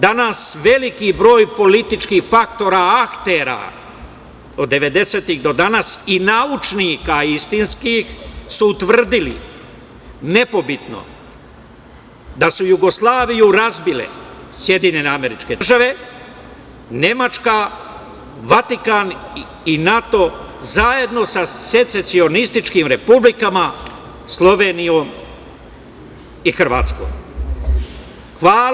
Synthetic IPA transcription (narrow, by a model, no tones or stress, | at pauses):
d̪anasʋe̞likibɾo̞ːjpo̞lit̪it͡ʃkixfak̚t̪o̞ɾaakt̪e̞ːɾa̰ | o̞d̪ːe̞ʋe̞d̪e̞seːt̪iɣd̪o̞d̪anasinaut͡ʃnikaist̪inskixsuːt̪ʋr̩d̪ilḭ | ne̞po̞bit̪no̞̰ | d̪asujuɡo̞slˠaːʋijuɾazbilḛsje̞d̪iɲeneame̞ɾit͡ʃke̞ʒaʋe̞ | ne̞mat͡ʃka | ʋat̪ikan | inat̪o̞zaje̞d̪no̞sase̞t̪se̞t̪sio̞nist̪it͡ʃkimɾe̞publikama | slˠo̞ʋeːnijo̞ːm | ixrʋa̰ːt̪sko̰ːm | xʋaː